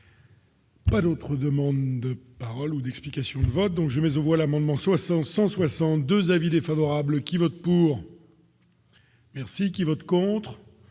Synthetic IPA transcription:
pad̪ot̪χəd̪əmɑ̃d̪d̪əpaʁɔlud̪ɛksplikasjɔ̃d̪əvɔt̪̚d̪ɔ̃kʒəmɛzɑ̃vwalamɑ̃d̪mɑ̃swasɑ̃t̪sɑ̃swasɑ̃t̪̚d̪øzavid̪efavɔʁablkʲivɔt̪̚puʁ | mɛʁsikʲivɔt̪kɔ̃t̪χ

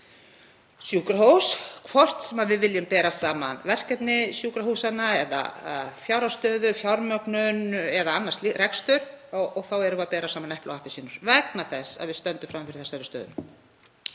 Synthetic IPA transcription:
sjuːkɾahowskʰvɔr̥t̪sɛmaðvɪðvɪljʏmpɛːɾasaːmanvɛr̥cɛt̪nɪsjuːkɾaɦusanːaɛða̰fjawɾawst̪œːðʏfjaɾmœknʏnɛðaanːar̥t̪lirɛkst̪ʏɾ̥ɔɔɣθawɛɾʏmapɛːɾasaːmanɛhpla̰wahpɪsiːnʏɾ̥vɛknaθɛsːa̰ðvɪðst̪œnt̪ʏmfɾamfɪɾɪ̥θɛsːaɾʏst̪œ̰ːðʏ̰m

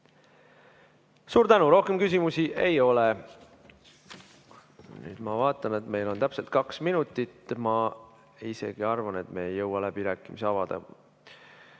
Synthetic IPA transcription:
suːɾt̪ænuɾo̞hke̞mkys̬ʲimusiʔe̞jo̞le | ny̰ːd̪̥mɑvɑːt̪ˑːɑne̞t̪me̞jlo̞nt̪æpse̞lt̪̚kɑksminut̪ˑːit̪mɑ | ise̞̰ɡ̥iɑrvɑne̞t̪me̞ːejːɤwːɑlæb̥iɾæːkːˑimiseɑvɑd̪̥ḛ

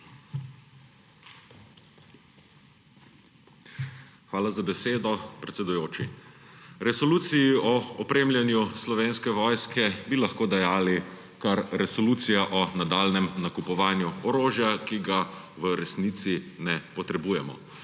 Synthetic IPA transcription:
xʋaːlazabɛseːd̪ɔpɾɛt̪sɛd̪ujoːt͡ʃi | ɾɛsɔluːt̪sijiɔɔpɾeːmlʲjɛnjuslɔʋeːnskɛʋɔːjskɛbilaxkoːd̪ajaːli | kaɾɾɛsɔluːt̪sijaʔɔnad̪aːlnɛmnakupɔʋaːnjuɔɾoːʒjakiɡa | ʋəɾɛsnit̪sinɛpɔt̪ɾɛbuːjɛmɔ̰

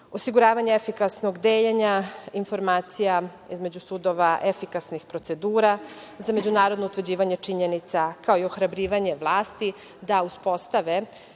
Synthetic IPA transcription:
o̞siɡuɾaːʋaɲeefikasno̞ɡd̪eːʎeɲainfo̞ɾmaːt̪sija | izme̞d͡ʑusud̪o̞ʋaʔefikasnixpɾo̞t̪se̞d̪uːɾazame̞d͡ʑunaːɾod̪no̞ut̪ʋrd͡ʑiːʋaɲe̞t͡ʂiɲenit̪sakaoio̞xɾabɾiːʋaɲe̞ʋlˠaːst̪i | d̪auspo̞st̪aʋe

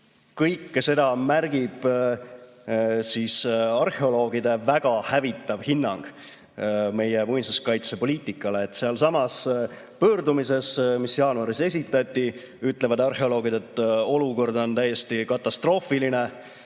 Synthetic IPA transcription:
kɤjkːse̞d̪ɑmærɡ̥ib̥ | siːsɑrheo̞lo̞ːɡ̥id̪e̞væɡ̥ɑhævit̪ːˑɑvhinːɑŋɡ̥ | me̞jemujnsuskɑjt̪se̞po̞lʲiːt̪ʲːˑikːˑɑle̞ːt̪ːseɑlsɑmɑs | pøːɾd̪umise̞smisjɑːnuɑɾise̞s̬ʲit̪ːˑɑt̪ʲːˑi | yt̪ːˑle̞vɑd̪ɑrhe̞o̞lo̞ːɡ̥id̪̥et̪ˑːo̞luko̞rd̪o̞nt̪æjːe̞st̪ikɑt̪ːˑɑst̪ro̞ːfiline̞

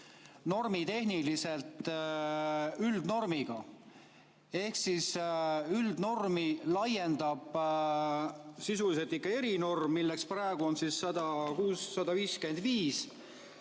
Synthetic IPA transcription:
no̞rmit̪e̞hnilise̞lt̪ | yld̪̥no̞rmiɡ̥ɑ | e̞hksisyld̪̥no̞rmilɑje̞nd̪ɑb̥ | sisuliselt̪ːikːɑe̞ɾino̞rmːilːe̞ksprɑeɡ̥uo̞nsisːɑd̪̥ɑkuːsːɑd̪ɑviːske̞nd̪̥viːs

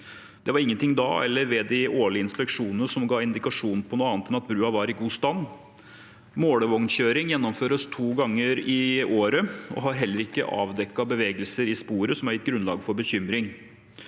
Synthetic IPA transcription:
d̪ɛʋɑɾɪŋːənt̪ɪŋd̪ɑ̰ːɛ̰lːəɾʋɛd̪ɪʔoːɭɪəɪnspɛkʂuːnənəʂɔmɡɑːɪnd̪ɪkɑʂuːn̩pʰɔnuːɑːnət̪ɛnɑt̪̚bɾʉːɑʋɑɾɪɡuːst̪ɑnː | moːɽəʋɔŋnçøːɾɪŋjɛnːɔmføːɾəst̪ʰuːɡɑŋːəɾɪoːɾəɔ̰ɦɑɾɦɛlːəɾɪkːə̰ʔɑ̰ːʋd̪ɛkːɑbəʋeːɡəlsəɾɪspuːɾəsɔmæɾɪt̪ɡɾʉnlɑ̰ːɡəfɔɾbəɕʏmɾɪŋ

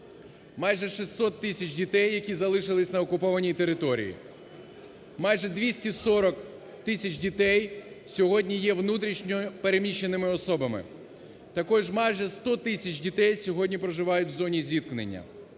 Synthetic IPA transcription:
mɑjʒɛʃist̪ːɔt̪ːɪsʲɐt͡ʃʲdʲit̪ɛjːɐkʲizɐlˠɪʃɪlˠɪsʲnɐɔkʊpɔʋɐnʲijt̪e̞ɾɪt̪ɔɾʲḭjḭ | mɑjʒɛd̪ʋʲisʲtʲisɔɾɔk | t̪ɪsʲɐt͡ʃdʲit̪ɛj | sʲɔɦɔdʲnʲijɛʋnut̪ɾʲiʃnʲɔpe̞ɾemʲiʃːenɪmɪɔsɔbɐmɪ̰ | t̪ɐkɔʒmɑjʒɛst̪ɔt̪ɪsʲɐt͡ʃʲdʲit̪ɛjsʲɔɦɔdʲnʲipɾɔʒɪʋɑjʊtʲwzɔnʲizʲʋʲit̪̚knḛnʲːɐ̰

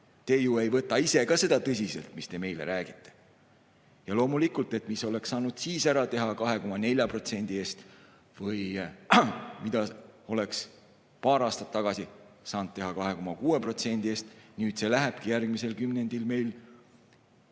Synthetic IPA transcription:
t̪e̞jue̞jvɤt̪ːˑɑise̞kɑse̞d̪̥ɑt̪ɤsʲise̞̰lt̪mist̪e̞me̞jlḛɾæːɡ̥it̪ːe̞̥ | jɑlo̞ːmulikult̪ˑe̞t̪miso̞le̞ksːɑːnud̪̥siːsæɾɑt̪e̞ɦɑkɑɦe̞ko̞mɑne̞lʲjɑpro̞t̪se̞nʲd̪ie̞ːst̪ | vɤj | mid̪̥ɑo̞le̞ks | pɑːɾɑːst̪ɑ̥t̪ːɑɡ̥ɑsisɑːnd̪̚t̪e̞ɦɑkɑɦe̞ko̞mɑkuːepro̞t̪se̞nʲd̪̥ie̞ːst̪nyːd̪̥se̞læɦeb̥̚kijærɡ̥̚mise̞lkymne̞nd̪̥ilme̞jl

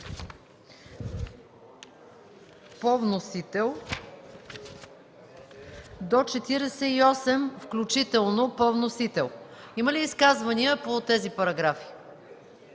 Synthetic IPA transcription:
povnosit̪ɛlˠ | d̪ot͡ʃɛt̪iɾɛsɛiɔsɛmfklʲut͡ʃit̪ɛlˠnopɔvnosit̪ɛlˠ | iməliːskazvɐniəpot̪ɛzipɐɾɐɡɾafi̥

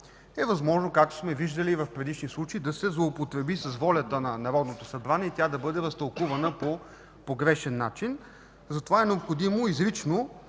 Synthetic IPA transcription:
ɛvɐzmɔʒnokak̚t̪o̥smɛviʒd̪əliːvɐfpɾɛd̪iʃnislˠut͡ʃeid̪ɐsɛzlˠoːpot̪ɾɛbisɐsvɔlʲət̪ənɐnɐɾɔd̪not̪osɐbɾanʲɛit̪ʲad̪ɐbɤd̪ɛɾɐst̪ɐlˠkuvɐnəpo | poɡɾɛʃɛnːat͡ʃin | zɐt̪ovaɛnɛopxod̪imoizɾit͡ʃno

